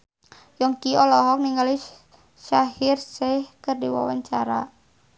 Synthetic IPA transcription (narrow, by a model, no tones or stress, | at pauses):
jɔŋkiɔlɔɦɔk̚niŋɡali | ʃaɦɪrsɛhkərdiwa̰wa̰ɲt͡ʃaɾa̰